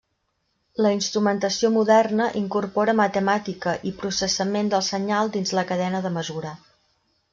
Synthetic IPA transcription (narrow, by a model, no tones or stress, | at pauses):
ləinst̪ɾumənt̪əsiomuðɛrnəʔiŋkurpɔɾəmət̪əmat̪ikəʔipɾusəsəmend̪əlˠsəɲalˠd̪inzləkəðɛnəðəməzuɾə